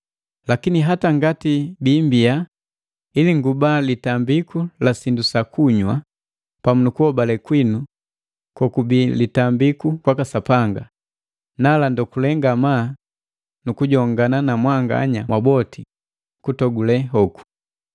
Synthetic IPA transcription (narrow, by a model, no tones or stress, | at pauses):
lakiniɦataŋɡatibimbia | iliŋɡubalitambikulasindusakuɲwa | pamunukuhɔbalɛkwinu | kɔkubilitambikukwakasapaŋɡa̰ | nalandɔkulɛŋɡamaː | nukuɟɔŋɡananamwaŋɡa̰ɲamwabɔti | kutɔɡulɛɦɔku̥